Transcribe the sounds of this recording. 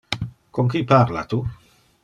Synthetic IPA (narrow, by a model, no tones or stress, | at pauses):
koŋkipaɾla̰t̪u